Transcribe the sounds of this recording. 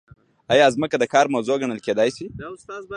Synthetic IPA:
ajɑzməkad̪əkɑːɾmɐwzoɡaɳəlked̪ɑjsi

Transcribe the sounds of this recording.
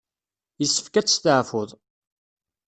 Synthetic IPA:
jəsːəfkæt͡sːt̪əʕfʊðˤ

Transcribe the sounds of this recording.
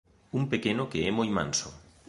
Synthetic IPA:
umpekenokeɛmojmã̰nso

